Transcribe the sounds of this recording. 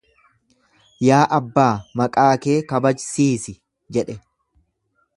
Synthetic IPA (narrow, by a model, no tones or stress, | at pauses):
jaːʔɐbːaːmɐkʼaːkeːkɐbɐd͡ʒsiːsɪ | d͡ʒɛᶑɛ